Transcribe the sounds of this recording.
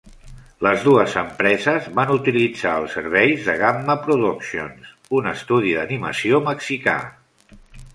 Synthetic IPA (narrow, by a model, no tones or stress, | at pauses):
ləzðuəzəmpɾɛzəzβanut̪ilid͡zaəlˠsəɾβ̞ɛjzðəɣamːəpɾuðuksio̰ns | unəst̪uðiðənimə̰sioməksika̰